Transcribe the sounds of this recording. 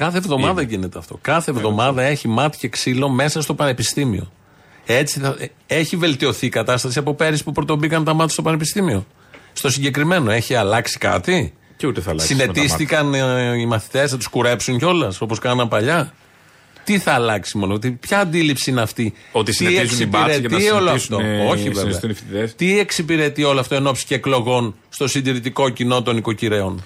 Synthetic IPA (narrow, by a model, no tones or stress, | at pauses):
kɐθe̞vðo̞mɐðɐʝine̞t̪eɐft̪o̞̰kɐθevðo̞mɐðɐe̞çimɐt̪i̥ceksilo̞me̞sɐst̪o̞pɐne̞pist̪imḭo̞̰ | e̞t͡siθɐ | e̞çive̞lt̪io̞θiːkɐt̪ɐst̪ɐsiɐpo̞pe̞ɾispupɾot̪o̞bikɐnt̪ɐmɐt̪i̥st̪o̞pɐne̞pist̪imio̞ | st̪o̞siɲɟe̞kɾime̞no̞e̞çiɐlɐksi̥kɐ̰t̪i | ceut̪eθɐ̰lɐssine̞t̪isθikɐnimɐθi̥t̪e̞snɐt̪u̥skuɾe̞psuɲceo̞lɐsoposkɐnnɐpɐʎɐ | t̪iθɐːlɐksimo̞not̪ipçɐːnd̪ilipsiineɐft̪iot̪isiezkusiiɾeɐioloɐft̪ooçiveveɐnifðet̪ieksipiɾe̞t̪io̞loɐft̪oe̞no̞psi̥ceːklo̞ɣo̞n | st̪o̞sind̪iɾit̪iko̞cino̞t̪o̞niko̞ciɾe̞o̞n